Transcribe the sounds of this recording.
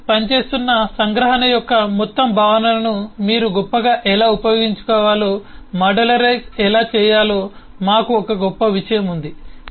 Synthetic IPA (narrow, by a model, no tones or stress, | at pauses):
pɐnt͡ʃe̞ːst̪unːɐsɐŋɡɾɐɦɐnɐjɔkːɐmɔt̪ːɐmbʱaːʋɐnɐlɐnumiːɾuɡɔpːɐɡaːʔɛlaːupɐjo̞ːɡiɲt͡ʃu̥kɔːʋaːlo̞ːmɐɖɐlɐɾesɛlaːt͡ʃɛːjaːloː | maːkuɔkɐɡɔpːɐʋiʂɐjɐmund̪i